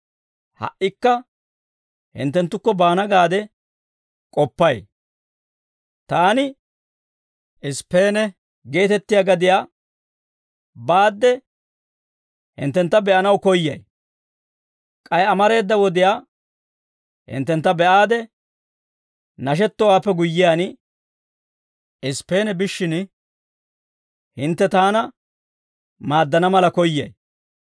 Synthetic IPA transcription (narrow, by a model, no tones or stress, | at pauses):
hɐ̰ʔɪkːɐ | hɪ̰nt̪ːɛnt̪ːʊkːɔbaːnɐɡaːd̪ɛ | kʼɔpːɐj | t̪aːnɪ | ʔɪspːeːnɛ | ɡe̞ːt̪ɛt̪ːɪjaːɡɐd̪ɪjaː | baːd̪ːɛ | hɪ̰nt̪ːɛnt̪ːɐbɛʔɐnɐwkɔjːɐ̰j | kʼɐjɐmɐɾe̞ːd̪ːɐwɔd̪ɪjaː | hɪ̰nt̪ːɛnt̪ːɐbɛʔaːd̪ɛ | nɐʃ̬ɛt̪ːɔwaːpːɛɡʊjːɪjaːn | ʔɪspːe̞ːnɛbɪʃːɪn | hɪnt̪ːɛt̪aːnɐ | maːd̪ːɐnɐmɐlɐkɔjːɐ̰j